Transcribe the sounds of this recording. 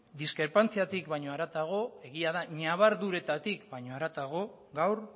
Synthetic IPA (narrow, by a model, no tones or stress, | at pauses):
d̪iskɾe̞ɾpant͡siat̪ikβajɲo̞aɾat̪aɣ̞o̞e̞ɣiaðaɲaβ̞aɾðuɾe̞t̪at̪ikbaɲo̞aɾat̪aɣ̞o̞ | ɡawɾ